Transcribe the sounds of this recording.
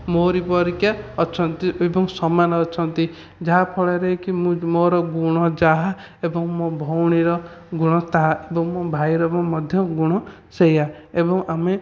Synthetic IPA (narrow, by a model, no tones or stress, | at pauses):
moɾipɔɾikjaɔt͡ʃʰɔnt̪iebɔŋsɔmanɔːt͡ʃʰɔnt̪i | d͡ʒaɦapʰɔɭeɾeɦikimũmoɾɔɡuɽ̃ɔd͡ʒaɦa | ebɔŋmobʱɔwɽ̃iɾɔɡuɽ̃ɔt̪aɦaebɔŋmobʱajɾɔbɔmɔd̪ʱjɔɡuɽ̃ɔ | seja | ebɔŋame